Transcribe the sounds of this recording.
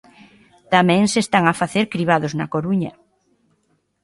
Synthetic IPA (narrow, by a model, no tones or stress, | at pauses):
t̪amɛ̃ŋsest̪aŋafaθeɾkɾiβ̞aðoznakoɾuɲɐ